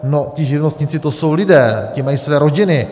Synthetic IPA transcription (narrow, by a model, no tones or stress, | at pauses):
nocɪʒɪvnost̪ɲɪt͡sɪt̪oso̞wlɪdɛːcɪmajiːsvɛːɾoɟɪnɪ